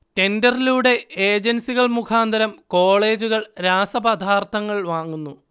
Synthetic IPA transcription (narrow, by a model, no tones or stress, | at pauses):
te̞ndɐriluɽe̞eːd͡ʑensiɣɐɭmukʰaːnd̪ʱɐɾɐmko̞ːɭe̞ːd͡ʑuɣɐɭɾaːsɐbɐd̪ʱaːrt̪ʰɐŋːɐɭʋaːŋːunːu